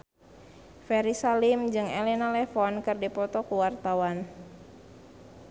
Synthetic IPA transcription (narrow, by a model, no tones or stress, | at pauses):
fɛɾisalimd͡ʒɨŋɛlɛnalɛfɔnkɨrdipɔt̪ɔkuwart̪awan